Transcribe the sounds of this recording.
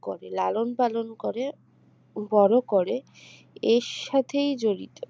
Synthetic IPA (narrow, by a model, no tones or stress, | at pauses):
ko̰ɾelalonpalonkoɾe | bɔɾokoɾe | eʃat̪ʰejd͡ʑoɾḭt̪o